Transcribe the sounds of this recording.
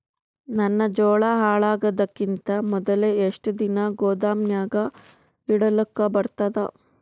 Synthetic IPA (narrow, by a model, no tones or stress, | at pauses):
nɐnːɐd͡ʒɔːɭɐɦaːɭaːɡɐd̪ɐkːint̪ɐmɔd̪ɐleeʂʈd̪inɐɡoːd̪aːmnjaːɡɐ | ʋiɽɐlɐkːɐbɐɾt̪ɐd̪ɐ